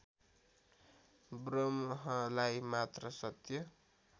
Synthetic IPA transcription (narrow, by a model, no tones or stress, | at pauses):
brʌmɦʌlajmat̪rʌsʌt̪jʌ